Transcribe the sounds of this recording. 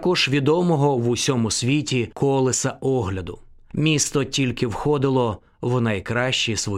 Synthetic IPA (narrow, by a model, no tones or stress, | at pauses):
ɐkɔʒ̥ʋʲid̪ɔmɔɦɔʋʊsʲɔmʊsʲʋʲitʲikʰɔlˠɪsɐɔɦlʲɐd̪ʊ | mʲist̪ɔtʲilʲkɪwxɔd̪ɪlˠɔ | wnɐjkɾɑʃʲt͡ʃisʋɔ